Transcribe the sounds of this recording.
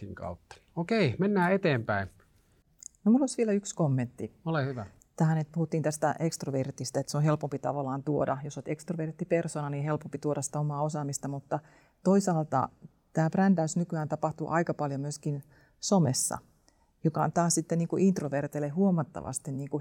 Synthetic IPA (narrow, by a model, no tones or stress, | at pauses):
iŋkɑ̰ut̪ːɑ̥okeimenːæːet̪eːmpæin | nomulːolisʋielæykskomːent̪ːiolehyʋæ | t̪æhænet̪̚puhut̪ːiːnt̪æst̪æ̰ʔekst̪roʋert̪ist̪æet̪seohelpompit̪ɑʋɑlɑːnt̪uodɑ̰josot̪ekst̪roʋert̪ːipersoːnɑniːhelpompit̪uoɾɑsi̥t̪æomɑːosɑːmist̪ɑmut̪ːɑ | t̪oisɑːlt̪ɑ̰ | t̪æːprændæysnykyæːnt̪ɑpɑht̪uʔɑikɑpɑljomyøskin | somesːɑ̰ | jokɑ̰nt̪ɑːssit̪ːeniːŋkuʔint̪roʋert̪elehuomɑt̪ːɑ̰ʋɑ̰st̪inniːŋku